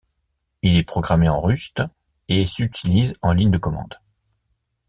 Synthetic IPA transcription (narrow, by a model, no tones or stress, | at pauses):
ilɛpχɔɡʁameɑ̃ʁyst̪ | esyt̪ʰilizɑ̃liɲd̪əkɔmɑ̰̃d̪